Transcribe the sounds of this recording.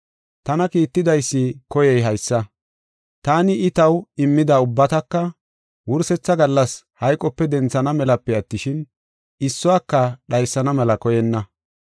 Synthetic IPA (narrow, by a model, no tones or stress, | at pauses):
t̪ɐnɐkiːt̪ːɪd̪ɐjsːɪkɔjɛjɦɐjsːɐ | t̪aːnɪɪt̪ɐwɪmːɪd̪ɐʊbːɐt̪ɐkːɐ | wʊɾsɛt͡sːɐɡɐlːɐs | hɐjkʼːɔpːɛd̪ɛnt͡sːɐnɐmɛlɐpːɛɐt̪ːɪʃɪn | ɪsːɔaːkːɐɗɐjsːɐnɐmɛlɐkɔjɛnːɐ